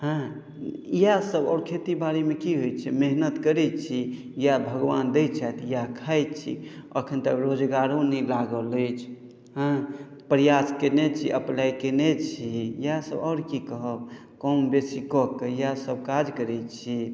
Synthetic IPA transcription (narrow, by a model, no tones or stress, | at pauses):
ɦə̃ | ijasəbɔːɾkʰet̪ibaɾemekiɦojt͡ʃʰɛmeɦnət̪kəɾɛt͡ʃʰi | jabʱəɡʋand̪ɛjt͡ʃʰat̪ʰijakʰajt̪t͡ʃʰḭə̰kʰənt̪əkɾod͡ʒɡaɾõnɛlaɡələt͡ʃʰ | ɦə̃ | pəɾjaskenet͡ʃʰiʔəplajkenet͡ʃʰijjasə̰bɔːɾkikəɦəb | kɔmbesikɔkːəjasəb̚kad͡ʒkəɾɛt͡ʃʰi